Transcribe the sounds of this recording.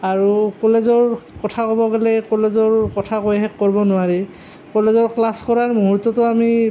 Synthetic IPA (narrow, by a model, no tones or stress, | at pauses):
aɹukɔlezɔɹkɔtʰakɔbɔɡelɛkɔlezɔɹkɔtʰakojɦɛkːɔɹbɔnʊaɹi | kɔlezɔɹklaskɔɹaɹmuɦuɹtːɔtʊami